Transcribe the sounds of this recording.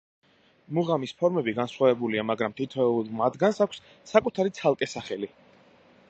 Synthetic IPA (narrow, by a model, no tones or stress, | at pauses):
muʁamispʰɔɾmɛbiɡansχwavɛbuliamaɡɾamt̪ʰit̪ʰɛmad̪ɡansakʷʰsː | akʼut̪ʰaɾit̪sʰalˠkʼɛsaχɛli